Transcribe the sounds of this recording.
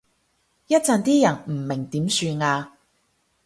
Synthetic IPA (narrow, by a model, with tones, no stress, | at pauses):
jɐ˥t̚t͡sɐ˧nt̪iː˥jɐ˨˩nm̩˨˩mɪ˨˩ŋt̪iː˨˥msyː˧nŋaː˧